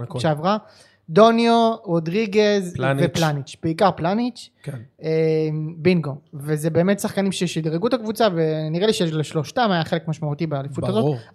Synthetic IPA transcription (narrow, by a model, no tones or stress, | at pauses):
ʃeavʁa | do̞njoʁodʁiɡezanveplaanit͡ʃb̥eikaʁplanit͡ʃkenembinɡovezebeːmet̪saχkanimʃejɛʃid̪ʁeɡutakvut͡save̞niʁeliʃejeʃleʃlo̞ʃtamajaχe̞le̞kmaʃmaut̪ibeːlifuttazo̞tt